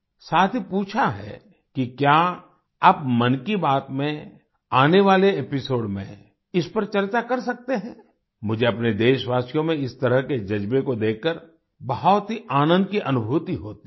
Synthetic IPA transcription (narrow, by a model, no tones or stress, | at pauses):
saːt̪ʰipuːt͡ʃʰaɦɛ̰ | kikja | ɐp̚mɐnkibaːt̪mẽ | aːneʋaːleeːpɪsoːɖmḛ̃ | ɪspɐɾt͡ʃɐɾt͡ʃakɐɾsɐk̚t̪eɦɛ̃ː | mʊd͡ʒʱeɐpned̪eːʃʋaːsjõmẽɪst̪ɐɾəɦked͡ʒɐd͡ʒbekod̪eːkːəɾ | bɐɦɔt̪ɦiʔaːnə̃nd̪kiʔɐnʊbʱuːt̪iɦoːt̪i